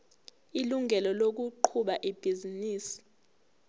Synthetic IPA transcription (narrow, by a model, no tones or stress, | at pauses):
iluŋʱɛlɔlok̬uǃʰuɓaʔib̥ʱiziniːsi̥